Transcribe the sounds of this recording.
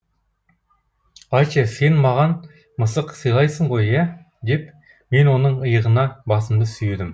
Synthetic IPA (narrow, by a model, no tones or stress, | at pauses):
ɑjt͡ʃese̞nmɑʁɑn | məsəqsəjlˠɑjsəɴʁo̞jæ | d̪e̞p | me̞nwo̞nəɴəjəʁənɑbɑsəmd̪əsʏjed̪ɪm